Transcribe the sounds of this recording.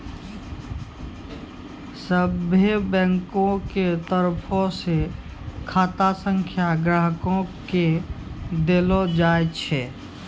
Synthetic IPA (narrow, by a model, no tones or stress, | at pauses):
səbebɛ̃ːŋkõket̪əɾpʰõse | kʰaːt̪asə̃ŋkʰjaɡɾaɦkõke | d̪elod͡ʒaːjt͡ʃʰɛ